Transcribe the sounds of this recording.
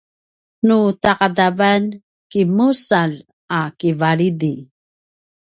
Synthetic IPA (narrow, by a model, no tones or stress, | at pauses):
nutaqadavan | kimusal | akivaɾidi